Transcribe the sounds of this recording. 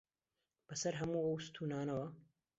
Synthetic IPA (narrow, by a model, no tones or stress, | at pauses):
b̥ɐsɐɾɦɐmuːɐwst̪ʰuːnaːnɐwɐ